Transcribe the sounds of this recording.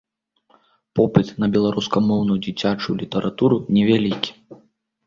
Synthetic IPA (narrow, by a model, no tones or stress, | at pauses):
pɔpɨt̪nɐbʲɛlˠaɾʔuskɐmɔwnujud͡zʲit͡sʲat͡ʂujulʲit̪ɐɾʔat̪uɾunʲɛvʲalʲikʲi̥